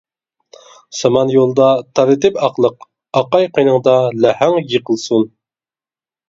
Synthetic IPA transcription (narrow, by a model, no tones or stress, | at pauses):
sɑmɑnjolˠd̪ɑt̪ʰɑɾɨt̪ɪpɑqlˠəq | ɑqɑjqʰijnəŋd̪ɑlæhæŋjəqʰəlˠsun